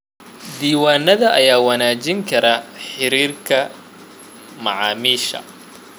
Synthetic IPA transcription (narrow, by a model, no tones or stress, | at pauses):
d̪iːwaːnːɐðɐʔɐjaːwɐnaːt͡ʃɪŋkʰɐɾɐħɪɾiːrkʰɐ | mɐʕɑːmiːʃɐ̰